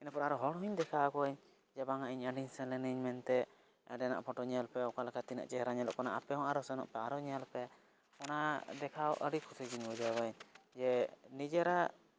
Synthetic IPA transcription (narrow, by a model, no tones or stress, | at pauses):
ɛnapɔɾaɾɔɦɔɽɔɦiɲd̪ɛkʰakɔəɲ | d͡ʒɛbaŋaʔiɲəɖiɲsɛlɛniɲmɛnt̪ɛ | ɖɛna̰ʔpʰɔʈɔɲɛalpɛɔkalakat̪ina̰ʔt͡ʃɛɦɛɾaɲalɔʔkɔnaʔapɛɦɔŋaɾɔsɛnɔ̰ʔpɛaɾɔɲalpɛ | kɔnad̪ɛkʰaɔʔəɾikʰusʰid͡ʒiɲbɔd͡ʒawaɲd͡ʒɛnid͡ʒɛɾa